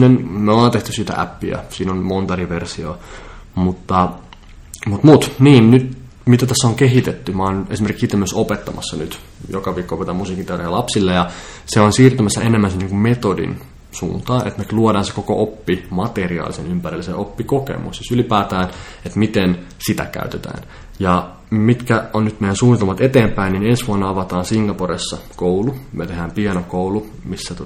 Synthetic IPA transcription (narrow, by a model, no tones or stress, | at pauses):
nenmeolɑːnt̪eht̪ysit̪æ̰ʔæ̰pːiæ̰siːnonmont̪ɑriʋersioːmut̪ːɑ | mut̪mut̪niːnnyt̪ | mit̪æt̪æsːoŋkeɦit̪et̪ːymɑːnesimerkiksit̪ːemːyøsopet̪ːɑmɑ̰sːɑnyt̪jokɑʋiːkːoopet̪ɑmmusiːkint̪ɑrejlɑpsilːejɑseonsiːrt̪æmæsːæ̰enemːænsenːiːŋkummet̪odḭn | sṵːnt̪ɑːnʔḛt̪meluodɑːnse̥koko̰ʔopːimɑt̪eriɑ̰ːlisenympærilːsḛʔopːikokḛmṵssisylipæːt̪æːn | et̪mit̪en | sit̪æ̰kæ̰yt̪et̪æ̰ːn | jɑ | mit̪kæonnyt̪mejænsuːnːit̪elmɑt̪et̪eːmpæininensʋuɑnːɑɑʋɑt̪ɑːnsiŋɡɑporesːɑkoulumet̪eɦæːmpiɛnokoulu | misːæt̪o